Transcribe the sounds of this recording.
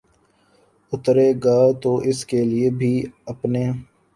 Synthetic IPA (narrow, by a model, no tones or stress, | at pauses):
ʊt̪ɾeɡaːt̪oʔɪskeliebʱiɐpneː